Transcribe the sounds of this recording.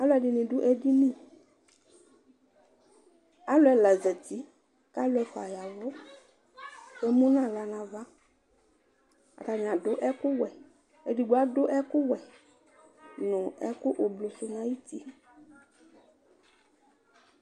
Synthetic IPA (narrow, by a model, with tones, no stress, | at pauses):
a˦lʊ˦ɛ˨ɖɪ˨nɪ̃˨ɖʊ˦ʔɛ˦di˦nĩ˦˨ | a˦lʊ˦ɛ˦lɛ˨zɛ˨t̪i˦ | ka˦lʊ˦ɛ˦fa̰˨ja˨vɔ˦ | ɛ˦mũ˦nã˦la˨nã˨va˦ | a̰˨ta˨ɲ˨ã˨dʊ˦ʔɛ˦kʊ˦wɛ˨ | e˦di˨ɡ͡bo˦a˦dʊ˦ʔɛ˦kʊ˦wɛ˨ | nʊ̃˨ɛ̰˦kʊ˦ʔo˨blo˨sʊ˨nã˦ji˦t̪i˦